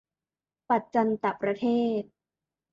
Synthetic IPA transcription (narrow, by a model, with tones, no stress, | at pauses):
pa˨˩t̪̚t͡ɕa˧nt̪a˨˩pːɾa˧t̪ʰeː˥˩t̪̚